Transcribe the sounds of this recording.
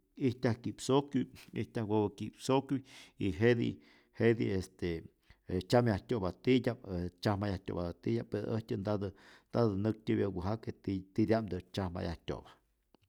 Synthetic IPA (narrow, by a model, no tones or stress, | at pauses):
iht̪ʲahkiʔpsokujḭht̪ʲahwobakipsokʲuiɦed̪ḭ | hed̪ḭest̪e | t͡ʃamjahtʲobat̪idʲaet͡ʃahmajahtʲo̰bad̪at̪ijʲapːeɾ̰ʔəhtʲɨnd̪ad̪ɨnd̪ad̪ɨnɨk̚t̪ʲibʲjaɡuɦaket̪it̪id̪ʲamd̪ɨt͡ʃahma̰ja̰htʲo̰bḁ